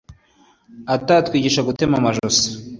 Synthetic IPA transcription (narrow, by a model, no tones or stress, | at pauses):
atatkwiːɟiʃaɡute̞mamaʒosḁ